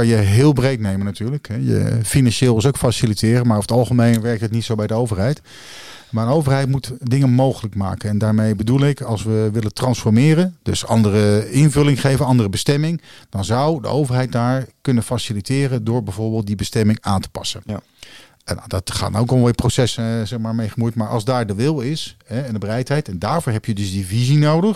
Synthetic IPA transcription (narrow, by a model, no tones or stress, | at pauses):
ɑjəɦɪːlˠbrejtnejmənatyːɹləkɦɛjə̰finɑnʃeːlˠɪsowkfasilitɪːrəmaːɹɔfətɑlˠχəmejnʋɛɹk̚tətnitsowbɛjdəowvəɹɦɛjt | maːənowvəɹɦɛjtmutdɪŋənmowχələkma̰ːkənɛndaːɹmejbədulˠɪkɑlˠsʋəʋɪləntrɑnsfɔɹmɪːrənd̥ɵsɑ̰ndərəɪnvɵlɪŋχejvənɑndərəbəstɛmɪŋd̥ɑnzɑwdə̰ʔowvəɹɦɛjt̚daːɹkɵnənfasilitɪːrəndʊːɹbɛjvʊːɹbeːlˠt̚dibəstɛmɪŋaːntə̥pɑ̰sə̰n | na̰dɑtχa̰ːtnowkɔlʋɪprosɛszɛχmaːɹmejχəmujtmaːɹʔɑlˠzdaːɹdəʋɪlˠɪsɦɛɛndəbərɛjtɦɛjtɛndaːɹvʊːɹɦɛpjədɵzdivizinowdəχ